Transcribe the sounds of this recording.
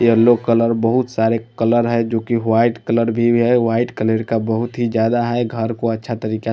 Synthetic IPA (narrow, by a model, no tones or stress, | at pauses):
elokələɾbəɦʊt̪saːɾekələɾɦɛd͡ʒoːkiwaɪʈkələɾbʱiɦɛwaːɪʈkələɾkabəɦʊt̪ɦid͡ʒjaːd̪aɦɛɡʱəɾkoətːʃʰat̪əɾiːka